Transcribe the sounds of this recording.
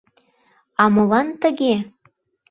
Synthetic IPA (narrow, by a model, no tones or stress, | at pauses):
ɑmolˠɑnt̪ə̆ɣe